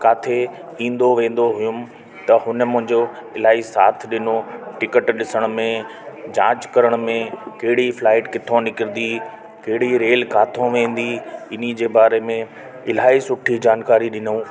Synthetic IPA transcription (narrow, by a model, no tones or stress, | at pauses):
kaːt̪ʰe | ĩːn̆d̪oʋẽːn̆d̪oɦʊjʊm̆ | t̪ɐhʊnə̆mʊ̃ɦɪ̃ɲd͡ʑo | ɪl̤aːisa̰ːt̪ʰɗɪnoʈɪkəʈɗɪsəɽ̃ʊ̆mẽd͡ʑã̰ːt͡ɕkɐɾəɽ̃mẽkɐɦɪɽiflaːɪʈkɪt̪ʰõnɪkɪɾɪd̪i | kɐɦɪɽ̤iɾeːlkaːt̪ʰõʋẽːn̆d̪iɪn̤id͡ʑeːbaːɾemẽ | ɪl̤aːisʊʈʰid͡ʑaːnkaːɾiɗɪnũː